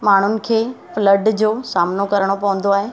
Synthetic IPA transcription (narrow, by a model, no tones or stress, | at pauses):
maːɳ̤ʊnɪ̆kʰeː | fləɖd͡ʑoːsaːmnokɐɾəɽ̃opɐʋə̃n̆d̪oaːɦeː